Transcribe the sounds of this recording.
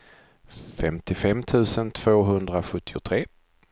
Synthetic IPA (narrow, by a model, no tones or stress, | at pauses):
fɛmt̪ɪfɛmːt̪ʰʉ̟ːsənt̪ʰv̥oːɦɵnd̪ɾaɧɵt̪ʰːɪʊt̪ʰɾeː